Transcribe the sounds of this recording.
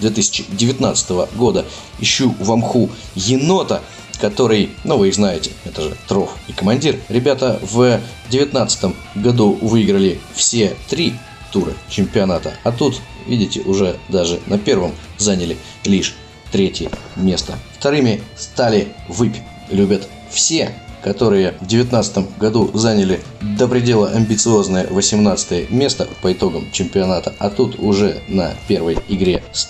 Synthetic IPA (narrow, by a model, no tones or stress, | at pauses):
d̪vʲet̪̬ɨsʲɪ̥t͡ɕɪdʲɪvʲɪt̪na̰t̪sɨ̥t̪əvəɡo̞d̪ə | ɪɕːuvɐmxujɪno̞t̪ə | kɐt̪o̞ɾɨjnuvɨɪxznajɪtʲɪɛt̪əʐɨ̰t̪ɾo̞fɪkəmɐnʲdʲirɾʲɪbʲat̪əv | dʲɪvʲɪt̪nat̪sə̥t̪əm | ɡɐd̪uvɨɪɡɾəlʲɪfsʲe̞t̪ɾʲi | t̪uɾə̰t͡ɕɪmʲpʲɪɐnat̪ə̰ɐt̪ut̪ | vʲidʲɪtʲɪʔʊʐɛd̪aʐɨnɐpʲe̞rvəmzanʲɪlʲɪ | lʲiʂ | t̪ɾʲetʲjəmʲe̞st̪əft̪ɐɾɨmʲɪst̪alʲɪvɨpʲ | lʲʉbʲət̪ | fsʲe̞kɐt̪o̞ɾɨjəvdʲɪvʲɪt̪nat̪sə̥t̪əmɡɐd̪uzanʲɪlʲɪ | d̪əpɾʲɪdʲe̞lˠəʔɐmʲbʲɪt̪sɨo̞znəjə̰vəsʲɪmnat̪sɨ̥t̪əjəmʲe̞st̪əpəɪt̪o̞ɡəmt͡ɕɪmʲpʲɪɐnat̪əɐt̪ut̪ʊʐɛ̰nɐ̰pʲe̞rvəjɪɡɾʲes